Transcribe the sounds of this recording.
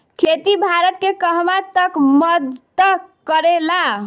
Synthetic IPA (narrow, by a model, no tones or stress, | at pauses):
kʰet̪ibʱaɾət̪kekəɦmat̪əkməd̪t̪əkəɾela